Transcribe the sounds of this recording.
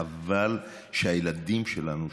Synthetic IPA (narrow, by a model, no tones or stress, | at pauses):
aval | ʃeajelad̪imʃelanu